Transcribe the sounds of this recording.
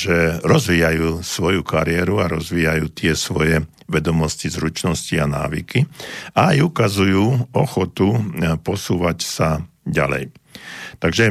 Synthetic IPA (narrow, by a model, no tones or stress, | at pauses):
ʒɛɾɔzʋiːjajuːsʋɔjukaɾɪɛɾuaɾɔzʋiːjajuːt̪ɪɛsʋɔjɛ | ʋɛd̪ɔmɔscizɾut͡ʃnɔsciana̰ːʋikiaajukazujuːɔxɔt̪upɔsuːʋacsaɟa̰lɛ̰jt̪aɡʒɛ